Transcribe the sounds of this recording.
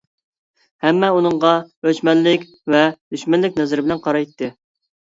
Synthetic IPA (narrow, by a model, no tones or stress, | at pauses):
hɛmːɛunɨɴʁɑøt͡ʃmɛnːɪkʲ | vɛd̪̥yʃmɛnlːɪkʲnɛzɪɾɪbɪlɛnqʰɑɾɑjt̪ːɨ